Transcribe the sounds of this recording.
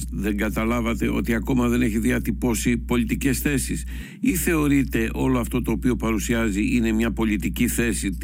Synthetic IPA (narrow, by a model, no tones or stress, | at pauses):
ðe̞ŋɡɐt̪ɐlɐvɐt̪e̞ʔo̞̰t̪iɐko̞mɐðe̞ne̞çiðiɐt̪ipo̞sipo̞lit̪ice̞sθe̞sis | iθe̞o̞ɾit̪e̞ʔo̞lo̞ɐft̪o̞t̪o̞ːpio̞pɐɾusiɐziʔine̞mɲɐpo̞lit̪iciθe̞sit̪